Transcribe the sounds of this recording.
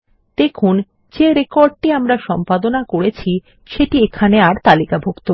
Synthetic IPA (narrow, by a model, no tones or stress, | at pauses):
d̪̥ekʰun | d͡ʑeɾekoɾɖ̚ʈiamɾaʃɔmpad̪onakoɾet͡ɕʰi | ʃeʈiekʰaneaɾt̪alikabʱokt̪o